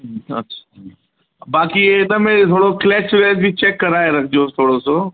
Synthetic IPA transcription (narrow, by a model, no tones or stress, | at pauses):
ɐ̰tːɕʰḁ | baːkienɐmẽt̪ʰoːɽoklɛːsʋɛːsbʱit͡ɕɛːkːɐɾaːeɾɐkʰd͡ʑot̪ʰoːɽoso